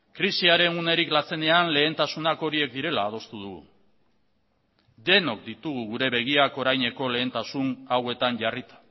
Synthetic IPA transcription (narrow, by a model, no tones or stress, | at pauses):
kɾisiaɾe̞nune̞ɾiklat͡se̞ne̞anle̞ːnt̪asunako̞ɾie̞k̚d̪iɾe̞laːð̞o̞st̪uð̞uɣṵ | d̪e̞no̞k̚d̪it̪uɣ̞uɣuɾe̞βe̞ɣ̞iako̞ɾajɲe̞ko̞le̞ːnt̪asunawe̞t̪aɲʝarit̪ḁ